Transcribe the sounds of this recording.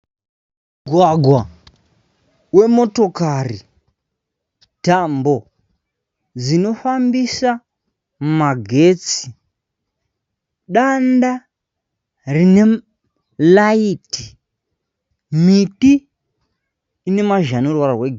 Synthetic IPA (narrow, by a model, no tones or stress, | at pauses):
ɡʱwaɡʱwa | we̞mo̞to̞kari | tambo̞ | d͡zino̞fambisa | maɡʱe̞ːt͡si̥ | ɗanda | rine̞ | laiti̥ | miti | ne̞maʒanorwaɾarweɡ